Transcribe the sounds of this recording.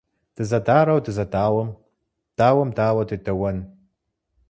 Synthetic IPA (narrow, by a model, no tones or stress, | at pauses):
d̥ɨzɐdaːɾɐwdɨzɐdaːwɐm | d̥aːwɐmdaːwɐdɨdɐwɐn